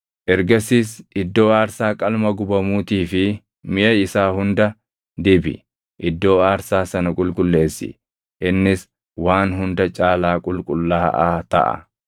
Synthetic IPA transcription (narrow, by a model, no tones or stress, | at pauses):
ʔɛɾɡɐsiːsʔɪd̪ːo̞ːaːɾsaːkʼɐlmɐɡʊbɐmuːt̪iːfɪ | mɪʔɐɪsaːhʊnd̪ɐ | d̪ɪbɪ̰ | ʔɪd̪ːo̞ːaːɾsaːsɐnɐkʼʊlkʼʊlːe̞ːsːɪ̰ | ʔɪnːɪs | waːnɦʊnd̪ɐt͡ʃʼaːlaːkʼʊlkʼʊlːaːʔa̰ːt̪ɐ̰ʔɐ̰